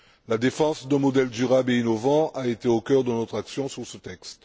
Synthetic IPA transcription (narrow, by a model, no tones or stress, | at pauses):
lad̪efɑ̃sd̪ɛ̃mɔd̪ɛld̪yʁabeinɔvɑ̃ʔaet̪eokʲœʁd̪ənɔt̪χaksjɔ̃syʁsət̪ɛkst̪